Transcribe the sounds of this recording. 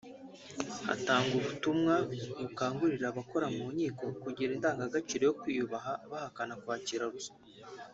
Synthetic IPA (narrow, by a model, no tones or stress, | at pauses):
ha̰taːŋɡuβutumŋamukaːŋɡuɾiɾaβako̞ɾamuːɲiːko̞kuɟiɾindaːŋɡaɡat͡ʃiɾe̞jokwiːjuβaɦaβahakanakwaːciɾaɾuso̥